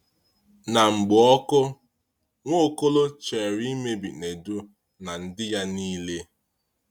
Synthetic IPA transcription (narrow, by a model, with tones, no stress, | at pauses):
na˨ŋ͡m̩˨ɡ͡bʊ˨ɔ˦kʊ˦ | ŋʷo˦˨ko˦lo˦t͡ʃe˨ɾi˦i˦me˦bḭ˨ne˨du˦ | na˨n̩˨dɪ˦ja˦niː˦le˦